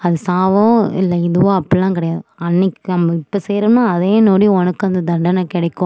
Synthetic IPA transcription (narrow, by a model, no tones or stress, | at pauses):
ɐðɯsaːʋõɪ̰lːɐɪðɯʋõɐpːɐɽɪlãːkɪɽɐjaːðɯɐnːɪkːɯnɐmːɐɪpːɐseːɾɐnaːɐðeːnoːɽij̃ɔnɐkːɯɐnd̪ɐd̪ɐɳɖɐnɐkɪɽɐɪkːõ